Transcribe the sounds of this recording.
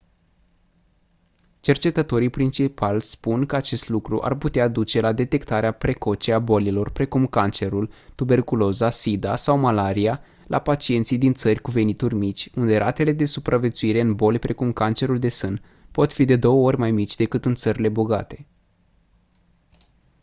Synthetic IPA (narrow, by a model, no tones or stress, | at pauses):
t͡ʃe̞rt͡ʃe̞t̪ət̪o̞ɾijpɾint͡ʃipalspunkəat͡ʃe̞st̪lukɾṵʔa̰rput̪ead̪ut͡ʃe̞lad̪e̞t̪e̞kt̪aɾeapɾe̞ko̞t͡ʃeabo̞lilo̞rpɾe̞kumkant͡ʃe̞ɾult̪ube̞rkulo̞zasid̪asawmalaɾia | lʔa̰pat͡ʃie̞nt̪sijd̪int̪sərʲkuve̞nit̪urʲmit͡ʃʲund̪e̞ɾʔat̪e̞le̞d̪e̞supɾʔavje̞t̪suiɾe̞ɨnbo̞lʲpɾʔe̞kumkant͡ʃe̞ɾuld̪e̞sɨn | po̞t̪fid̪e̞d̪o̞wəo̞rʲmajmit͡ʃʲd̪e̞kɨt̪ɨnt̪səɾile̞boɡat̪e̞̥